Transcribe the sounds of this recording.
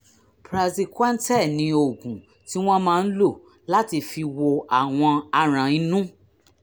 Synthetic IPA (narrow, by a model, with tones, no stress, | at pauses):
pɾa˨zi˧ka˦n̩˦tɛ˦˨nĩ˧o˨ɡũ˨ | ti˦w̃ɔ̃˦mãː˦˧n̩˦lo˦˨ | la˦ti˧fi˧wo˧a˨w̃ɔ̃˧a˧ɾ̃ã˨ĩ˧nũ˦